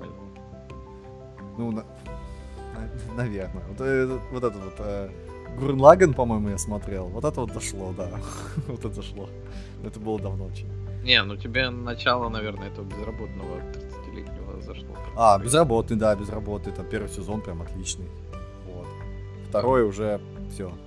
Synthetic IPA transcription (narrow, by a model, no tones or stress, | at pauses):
pɐnʲa | nunɐ | nɐnɐvʲe̞rnəvot̪ɛvot̪ɛt̪ət̪vo̞t̪ə | ɡʊɾnlˠaɡʲɪnpɐmo̞jɪmʊjasmɐt̪ɾʲe̞lˠvo̞t̪ɛt̪əvot̪zɐʂlˠo̞d̪a | vot̪ət̪zɐʂlˠo | ɛt̪əbɨlˠəd̪ɐvnot͡ɕɪ | nʲenutʲɪbʲenɐt͡ɕalˠənɐvʲernəɛt̪əvəbʲɪzrɐbo̞t̪̚nəvə̰t̪ɾʲɪt̪sɨ̥tʲilʲḛtʲnʲɪvə̰zɐʂlˠo̰pabʲɪzrɐbo̞t̪nɨjd̪abʲɪzrɐbo̞t̪nɨjɛt̪apʲe̞rvɨjsʲɪzo̞npɾʲamɐt̪lʲit͡ɕnɨj | vot̪ | ft̪ɐɾo̞jəʊʐɛ | fsʲo